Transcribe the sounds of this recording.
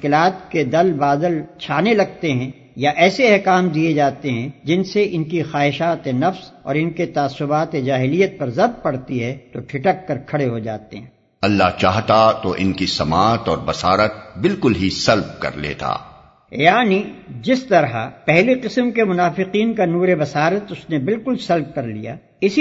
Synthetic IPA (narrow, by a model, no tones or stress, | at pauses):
kɪlaːt̪ked̪ɐlbaːd̪əlt͡ʃʰaːnelɐɡ̚t̪eɦɛ̃ | jaʔɛːseɛɦkaːmd̪ied͡ʒaːt̪eɦɛ̃d͡ʒɪnseʔɪnkixaːɦɪʃaːt̪enɐfsɔ̰ːɾɪnket̪aːsːʊbaːt̪ed͡ʒaːɦɪlijət̪̚pɐɾzɐb̪̚pɐɽt̪iɦɛt̪oʈʰɪʈəkːɐɾkʰɐɽeɦod͡ʒaːt̪eɦɛ̃ː | ɐlːaɦt͡ʃaːɦt̪at̪oʔɪ̰nkisɐmaːt̪ɔːɾbɐsaːɾət̪̚bɪlkʊlɦisɐlb̚kɐ̰ɾlḛːt̪a̰ː | jaːnid͡ʒɪst̪ɐɾɦapɛɦliqɪsəmkemʊnaːfɪqiːnkanuːɾebɐsaːɾət̪ʊsnebɪlkʊlsɐlb̚kɐɾlḭja̰ː | ɪsi